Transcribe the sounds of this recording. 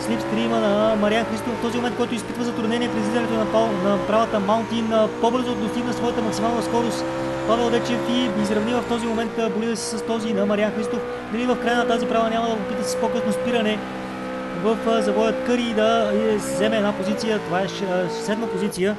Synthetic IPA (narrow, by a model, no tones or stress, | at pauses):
slifst̪ɾimənɐmɐɾianxɾist̪offt̪ɔzimomɛnt̪kɔjt̪ʊispit̪vəzɐt̪ɾʊd̪nɛniɛpɾɛzlizɐnɛt̪onɐnɐpɾavət̪əmalˠt̪inpobɤɾzod̪ɡ̪ost̪iɡnəsvɔjət̪əmɐksimalˠnəskɔɾost̪ | pavɛlˠd̪ɛt͡ʃɛt̪ibizɾɐvnivəft̪ɔzimomɛnt̪ːbolid̪əsɛ̥sɐst̪ɔzinɐmɐɾianxɾist̪of | nɐɾivɐfkɾajənɐt̪azipɾavənʲaməd̪ɐpopit̪əsi̥spokɤsnospiɾənɛ | vəfzɐvɔjət̪kɤɾid̪ɐzɛmɛːd̪napozit̪sijət̪ovaɛʃɛsosɛd̪nəpozit̪sijə